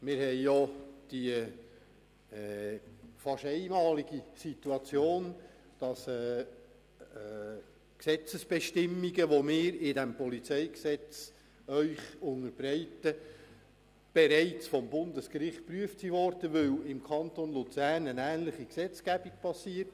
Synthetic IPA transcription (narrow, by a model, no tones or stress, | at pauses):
mɪːɾhɛjjɔd̥i | fɑʃɛɪmɑːliɡisit̪uɑt͡sjoːn | d̥ɑsɛː | ksɛt͡səsb̥ɛʃtɪmːiɡəʋomɪːɾɪdæmpɔlit͡sɛɪksɛt͡s | œʏχʊŋəɾbɾɛɪtə | b̥eɾɛɪt͡sfɔmbʊndəskɾɪχt̚pryəftsiʋɔɾd̥əʋɵwɪmkʰɑnt̪onlut͡sæːrnənæːnləχiksɛt͡skæbik̚pʰɑsiəɾt